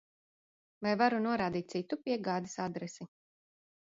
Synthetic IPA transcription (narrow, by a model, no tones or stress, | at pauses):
vajvaɾunuɔɾaːd̪iːt̪̚sit̪upiɛɡaːd̪isad̪ɾɛsi